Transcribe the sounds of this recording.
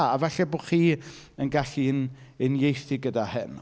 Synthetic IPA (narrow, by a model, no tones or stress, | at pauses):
avɛɬɛbʊχiːənɡaɬinɪnjejθiɡədahɪn